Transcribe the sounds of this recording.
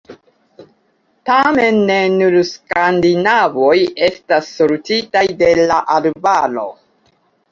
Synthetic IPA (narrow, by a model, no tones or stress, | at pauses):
tame̞nːe̞nuɾskandinavo̞je̞stasːolutitajde̞laʔalbalo̞̰